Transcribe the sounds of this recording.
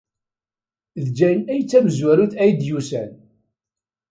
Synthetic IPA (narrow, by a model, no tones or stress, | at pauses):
ðd͡ʒæjnæjt͡sːæməzwæɾuθæjd̪jusæ̰n